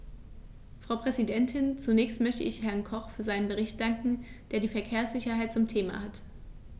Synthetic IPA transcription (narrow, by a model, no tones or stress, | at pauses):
fʁ̥aʊpʁ̥ɛzidɛntʰɪnt͡sunɛːçstmœçtə̰ʔɪçhɛɐnkʰɔχfyːɐzaɪnənbəʁ̞ɪçt̚d̥aŋkŋ̩d̥eːɐdiːfɛɐkʰeːɐsz̥ɪçɐɦaɪt̚t͡sʊmtʰeːma̰hat